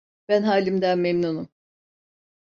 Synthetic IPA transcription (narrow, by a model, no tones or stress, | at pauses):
b̥ænɦaːlʲimd̪ænmemnunum